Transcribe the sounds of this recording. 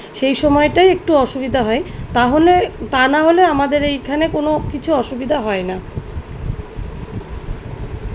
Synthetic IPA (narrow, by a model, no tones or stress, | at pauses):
ʃejʃɔmɔeʈajek̚ʈuɔʃubid̪ʱaɦɔet̪aɦolet̪anaɦoleamad̪eɾejkʰanekonokit͡ɕʰuɔʃubid̪ʱaɦɔena